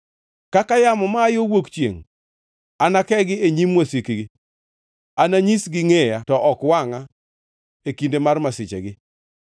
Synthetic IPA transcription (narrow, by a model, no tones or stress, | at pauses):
kakajamɔmaːjowokt͡ʃjḛŋ | anakɛɡɪeɲimwosikiɡɪ | anaɲisɡɪŋejatɔʔɔkwaŋa | ekindemarmasɪt͡ʃɛ̰ɡɪ